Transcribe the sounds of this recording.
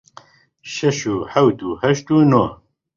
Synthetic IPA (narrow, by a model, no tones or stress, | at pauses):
ʃɛʃuːħɛwt̪uːhɛʃt̪uːno